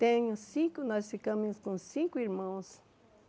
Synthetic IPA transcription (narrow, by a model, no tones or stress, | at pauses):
t̪eɲʊsĩŋkonasɪkamĩɲskõnsĩŋkʊiɾmãw̃s